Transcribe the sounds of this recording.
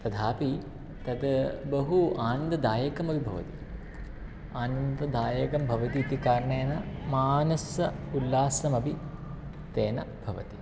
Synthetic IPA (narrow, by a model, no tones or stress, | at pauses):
t̪ɐd̪ʱaːpi | t̪ɐd̪bɐɦuaːnɐnd̪ɐd̪aːjɐkɐmɐbʱibʱɐʋɐ̰t̪i | aːnɐnd̪ɐd̪aːjɐkɐmbʱɐʋɐt̪iːt̪ikaːɾɐɳeːnɐmaːnɐsɐulːaːsɐmɐbʱi | t̪eːnɐbʱɐʋɐ̰t̪i